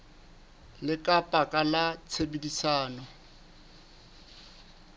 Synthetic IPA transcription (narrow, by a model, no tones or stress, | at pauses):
lɪkʼapʼakʼalat͡sʰebedisaːnɔ